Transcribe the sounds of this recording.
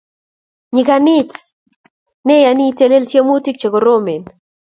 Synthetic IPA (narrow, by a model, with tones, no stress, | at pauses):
ɲi˨ka˨nɪ˦t | nɛ˦ja˨ni˦te˨le˦ltje˦mu˦ti˦k̚t͡ʃe˨ko˨ɾome˨n